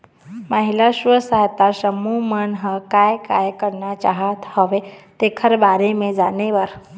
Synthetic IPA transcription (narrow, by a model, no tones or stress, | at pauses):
məɦilaʃʋəsəɦt̪asəmumənɦəkajkajkəɾnat͡ʃaɦət̪hoʋet̪ekʰəɾbaɾemẽd͡ʒaneʋəɾ